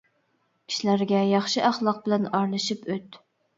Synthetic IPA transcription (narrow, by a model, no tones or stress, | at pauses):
kʲʰi̥ʃlæɾɡʲɛjɑχʃiʔɑχlˠɑq̚bɪlænɑɾlˠɨʃipøt̪